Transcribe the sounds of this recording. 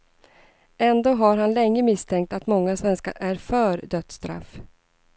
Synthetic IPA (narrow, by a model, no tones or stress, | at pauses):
ɛnd̪oːɦaɾɦanlɛŋːəmɪst̪ʰɛŋk̚t̪at̪mɔŋːasvɛnska̰ɾʔæɾfœːɾd̪œt̪st̪ɾa̰f